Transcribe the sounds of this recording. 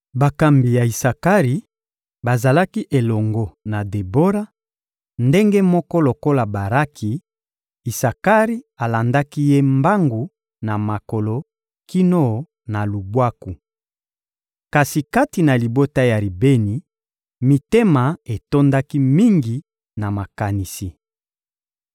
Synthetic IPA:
ba˨ka˨mbi˨ja˨i˨sa˨ka˦ʁi˨ | ba˨za˨la˦ki˦ʔe˨lɔ˨ŋɡo˨na˨de˨bo˦ɾa˦ | nde˦ŋɡe˦mɔ˦kɔ˦lo˨ko˦la˨ba˨ʁa˦kʰi˨ | i˨sa˨ka˦ʁi˦a˨la˨nda˦ki˦je˦mba˦ŋɡu˨ | na˨ma˨ko˨lo˨ | ki˦no˦˨ | na˨lu˨bwa˦ku˨ | ka˨si˨ka˦ti˨na˨li˨bo˦ta˦ja˨li˨be˦ni˨ | mi˨te˦ma˨e˨to˦nda˦ki˦mi˦ŋɡi˨ | na˨ma˨ka˨ni˨si˨

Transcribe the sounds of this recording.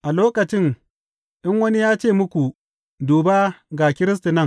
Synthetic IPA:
ʔa˨loː˦kɐ˨t͡ʃɪ˦ŋ | ʔɪ˦ŋwɐ˦ni˦jaː˦t͡ʃeː˦˨mʊ˦kʷu˨ | duː˨ba˦ɡa˨kʲɪ˦ɾɪ˦s̬tu˨nɐ˦˨ŋ

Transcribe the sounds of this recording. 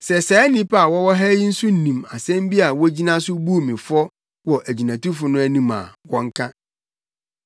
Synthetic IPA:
sɛ˨sɛː˨˦nĩ˦pa˨wɔ˦wɔ˦ɦɛ˦ji˦n̩˦sʊ˦n̩˨nĩ˨ma˨sɛ̃˦m˦bi˦a˨wɔ˦d͡ʑi˦nã˦sʊ˦bu˦o˦˨mɪ̃˨fɔ˦ | wɔ˨ʔæ˨d͡ʑi˨nã˨tu˦fʊ˨nʊ̃˦æ˦nĩ˦ma̰˨wɔ̃˦ŋ˦kʰã˦

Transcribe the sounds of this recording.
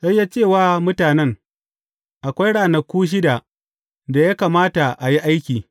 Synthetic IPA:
sa˦jːaː˦t͡ʃeː˦˨waː˦˨mʊ˦taː˨nɛ˦ŋ | ʔa˨kʷa˦jɽaː˨nɐ˨kʷuː˦ʃ̬ɪ˦da˨ | da˨ja˦kaː˨maː˦ta˨ʔa˨ji˦ʔa˦jkʲiː˨

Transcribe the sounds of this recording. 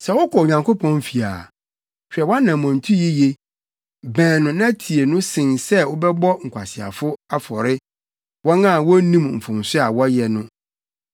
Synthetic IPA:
sɛ˨wʊ˦kʰɔ˨o˨ɲã˨ŋkʰo˦pʰɔ̃˦nfi˨a̰˨ | ɕᶣɛ˨wɔ̃˦nã˨mɔ̃˨n˨tʰu˦ji˦je˦ | bɛ̃˨nʊ̃˨nã˦tʰi˨e˨nʊ̃˦sɪ̃˨nsɛ˦wʊ˦bɛ˦bɔ˦ŋ̩˨kʷʰa̰˨sɪ˨a̰˨fʊ˦a˦fɔ˨ɾɪ˦ | wɔ̃˦nã˦˨wɔ˦nĩ˦mm̩˨fʊ̃˨m˨sɪ˦a˨wɔ˦jɛ˨nʊ̃˦

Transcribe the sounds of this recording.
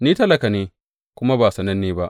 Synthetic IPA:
niː˦tɐ˦lɐ˨ka˨neː˦ | kʷʊ˦ma˦baː˨sɐ˨nɐ˦nːeː˦ba˦ʔ

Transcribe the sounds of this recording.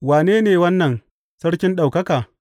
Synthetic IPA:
waː˨neː˦neː˨wɐ˦nːɐ˨n | sɐ˦ɽkʲɪ˦nɗa˨wkɐ˦kaː˨

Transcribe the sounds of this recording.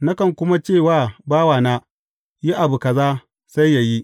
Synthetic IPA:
na˦kɐ˨ŋkʷʊ˦ma˦t͡ʃeː˦˨waː˦˨baː˦waː˨naː˦ | ji˦ʔa˨bu˨kɐ˨zaː˦ | sa˦jja˨ji˦

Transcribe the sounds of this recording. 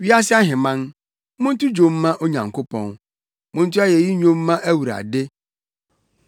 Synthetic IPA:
ɥi˦a˦s̬ɪ˦a˦ɦɪ̃˨mã˦n | mʊ̃˦n̩˦tʊ˦d͡ʑõ˨m̩ː˦ã˦ʔo˦ɲã˨ŋkʰo˦pʰɔ̰̃˨n | mʊ̃˦n̩˦tu˦a˦jɛ˨ji˦ɲõ˦m̩ː˦ã˦ʔæ˦wu˨ɾa̰˨de˦

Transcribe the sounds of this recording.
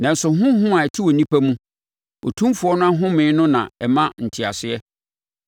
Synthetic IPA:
nã˨n̩˨sʊ˨ɦʊ̃˦hʊ̃˦a˨ɛ˨tʰɪ˦wɔ˨nĩ˦pʰæ˦mũ˦ | o̰˨tʰũ˦mfʊ˨ɔ˦nʊ̃˦a˦ɦʊ̃˦mɪ̃˨˦nʊ̃˦nã̰˨ɛ˨mã˦n̩˨tʰɪ˨a˨sɪ˦ɛ˦

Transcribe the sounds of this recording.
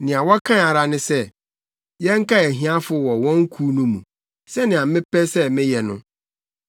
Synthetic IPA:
nɪ̃˨a˨wɔ˦kʰã˦a˨ɾa˦nʊ̃˦sɛ˦ | jɛ̃˦ŋ̩˦ka˦ɛ˨ɦĩ˦a˦fʊ˦wɔ˨wɔ̃˦ŋ̩˦kʰuː˦nũ˦mũ˨ | sɛ˦nɪ̃˨a˨m̩˦mɪ̃˦pɛ˦sɛ˦mɪ̃˦jɛ˨nʊ̰̃˦

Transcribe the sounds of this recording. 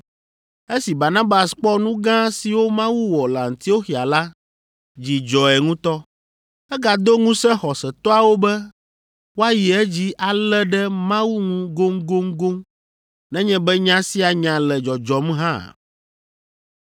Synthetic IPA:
e˦si˨ba˨nã˦ba˨sk͡pɔ˦nũ˦ɡã˦si˨wo˦mã˦wu˦wɔ˨la˨ŋ̩˨t̪i˦o˦xi˨a˨la˦ | d͡ʑi˨d͡ʒɔ˨ɛ˨ŋũ˦t̪ɔ˦ | ɛ˦ɡa˨d̪o˦ŋũ˦sɛ̃˦xɔ˨sɛ˨t̪ɔ˦a˨wo˦bɛ˦ | wo˦a˦ji˨ɛ˦d͡ʑi˦ʔa˨lɛ˦ɖɛ˦mã˦wu˦ŋũ˦ɡo˦ŋɡo˦ŋɡo˦ŋ | nɛ̃˦ɲɛ̃˦bɛ˦ɲã˦si˦a˨ɲã˨lɛ˨d͡ʒɔ˨d͡ʒɔ˨m˦ɦã̰˦˨

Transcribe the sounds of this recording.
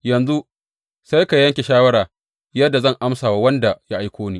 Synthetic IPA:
jɐ˨nzu˦ | sa˦jka˨jɐ˦ŋkʲe˨ʃaː˦wɐ˦ɾaː˨ | jɐ˦dːa˨zɐ˦˨ŋʔa˦msaː˨wa˦wɐ˦nda˨ja˦ʔa˦jkʷoː˦niː˦˨

